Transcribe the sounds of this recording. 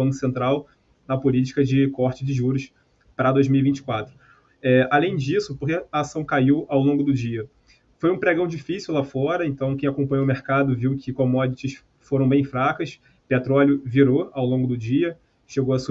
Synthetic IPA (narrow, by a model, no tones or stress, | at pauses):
ɐ̃kʊsẽnt̪ɾaw | nɐpʊlit͡ʃi̥kɐd͡ʒɪkɔχt͡ʃɪd͡ʒɪʒuɾʊʃ | pɾɐd̪ojzmiwivĩnt͡ʃɪ̥kwat̪ɾʊ | ɛalẽj̃d͡ʒisʊpokeɐːsɐ̃w̃kaiwawlõŋɡʊd̪ʊd͡ʒiɐ | fojũpɾeɡɐ̃w̃d͡ʒifisiuwlafɔɾɐẽnt̪ɐ̃w̃kẽj̃akõpɐ̃ɲowmeɾkad̪ʊviwkʰɪkõmɔd͡ʒɪt͡ʃɪʃ | foɾɐ̃w̃bẽj̃fɾakɐs | pet̪ɾɔljʊviɾoawlõɡʊd̪ʊd͡ʒiɐ | ʃeɡowɐsu